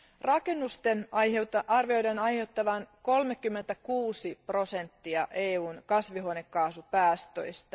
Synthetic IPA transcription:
rɑke̞nːust̪eneɑrʋio̞jdenɑjhe̞wt̪ːɑʋɑnko̞lmekːymːent̪ækuːsipro̞se̞nt̪ːiɑʔeːuːnkɑsʋiɦonekːɑːsupæːst̪ø̰jst̪ɑ

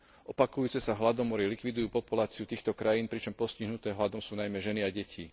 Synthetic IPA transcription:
ʔɔpakujuːt͡sɛsaɦlad̪ɔmɔɾilikʋid̪ujuːpɔpulaːt͡siut̪iːxt̪ɔkɾajiːnpɾit͡ʃɔmpɔsciɦnut̪ɛːɦlad̪ɔsuːnajmɛʒɛniaɟɛcʰḭ

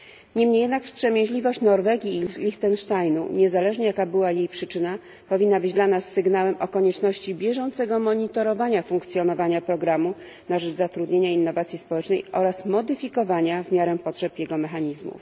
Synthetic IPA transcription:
ɲɛmɲejɛd̪nakfpʂɛmʲjẽʑlʲivɔɕt͡ɕnɔɾvɛɡʲjilʲixt̪ɛnʂt̪ajnṵɲɛzalɛʐɲɛjakabɘwajejpʂɘt͡ʂɘna | pɔvʲinːabɘd͡ʑd̪lanasːɘɡnawɛmʔɔkɔɲɛt͡ʂnɔɕt͡ɕibʲjɛʐɔnt̪sɛɡɔmɔɲit̪ɔɾɔvaɲafuŋkt̪sʲjɔnɔvaɲapɾɔɡɾamu | naʐɛd͡ʐzat̪ɾud̪ɲeɲainːɔvat̪sʲispɔwɛt͡ʂnɛjʔɔɾasmɔd̪ɘfʲikɔvaɲavmʲjaɾɛpɔtʂɛpjɛɡɔmɛxaɲizmṵf

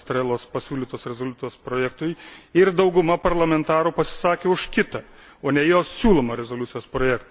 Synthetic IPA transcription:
t̪ɾʲɛlˠoːspɐsʲuːlʲiːt̪oːsɾʲɛzolʲut̪ʲjoːspɾoːjɛk̚t̪ʊjɪrd̪ɐʊɡʊmɐpɐɾlˠɐmʲɛnt̪ɑːɾʊpɐsʲɪ̥sɑːkʲeːʊʃkʲɪt̪ɐ | oːnʲɛjoːssʲuːlˠoːmɐɾʲɛzoːlʲʊt̪sʲɪjoːspɾoːjɛkt̪

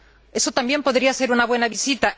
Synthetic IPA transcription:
e̞sot̪ambje̞mpo̞ðɾiase̞ɾunaβwe̞naβisit̪a

